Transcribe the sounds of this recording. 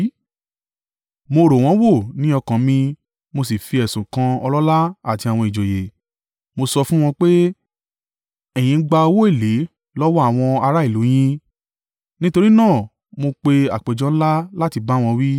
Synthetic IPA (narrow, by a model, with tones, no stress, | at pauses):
mo˧ɾo˨w̃ɔ̃˨˦wo˦˨nĩ˦ɔ˧kã˨mĩ˧ | mo˧s̬i˨fi˧ɛ˨sũ˨kã˧ɔ˧lɔ˦la˦a˦˨ti˧a˨w̃ɔ̃˧i˨d͡ʒo˨je˨ | mo˧sɔ˧fũ˦w̃ɔ̃˧k͡pe˦ | ɛ˨j̃ĩ˨˧˦ɡ͡ba˧o˧wo˦e˦˨le˨˦ | lɔ˦wɔ˦a˦˨w̃ɔ̃˧a˧ɾa˦i˦˨lu˨˦j̃ĩ˦ | nĩ˦to˧ɾi˦nãː˦˨ | mo˧k͡pe˧a˨k͡pe˨d͡ʒɔ̃˦n̩˦la˦la˦ti˧ba˦w̃ɔ̃˧wi˦